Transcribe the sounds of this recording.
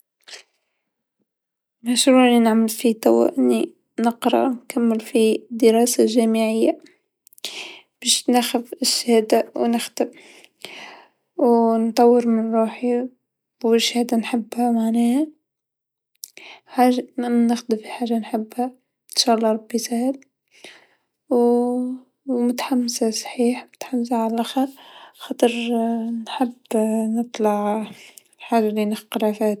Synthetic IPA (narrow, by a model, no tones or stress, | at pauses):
maʃɾuːʕninaʕmɪlfit̪ˤa̰wæ̰ʔɪnːi | nəqɾɑ̰nkamːɪlfid̪əɾɑːsaʒæːmɪʕɪjːa | b̥æːʃnaxɪvɪʃːahæːd̪awnɪxt̪ɪb | wnt̪ˤɑwːəɾmɪnɾˤuːħi | bæʃhæːd̪anħɪbːhamaʕnæːha | ħaːʒanɪxd̪ɪfiħaːʒanħɪbːha | ɪnʃaːʔɑlˤːɑɾˤɑbːisahɪl | w | mʊt̪ḁħamːsasˤħiːħmʊt̪ħamːsaʕalalʔaxɑɾxɑːt̪ˤɨɾnħɪbːnɨt̪ˤlɑʕ | ħaːʒalinɪxqɾɑfaːt̪